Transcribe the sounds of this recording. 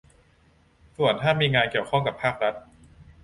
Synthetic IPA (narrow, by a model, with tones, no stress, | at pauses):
su˨˩ənt̪ʰaː˥˩miː˧ŋaː˧nki˨˩əwkʰɔ˥˩ŋka˨˩pʰːaː˥˩k̚ɾa˦˥t̪̚